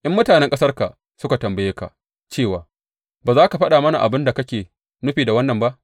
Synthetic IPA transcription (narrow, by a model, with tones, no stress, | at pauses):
ʔɪ˦mːʊ˦taː˨nɛ˦ŋkʼɐ˦sɐ˦rka˨ | sʊ˦ka˨tɐ˨mbɐ˨jeː˦ka̰˨ʔ | t͡ʃeː˦˨waː˨ | baː˨zaː˦ka˨ɸɐ˦ɗa˨mɐ˦na̰˨ʔa˨bɪ˦nda˨kɐ˦kʲeː˨ | nʊ˦ɸiː˨da˨wɐ˦nːɐ˨mba˦ʔ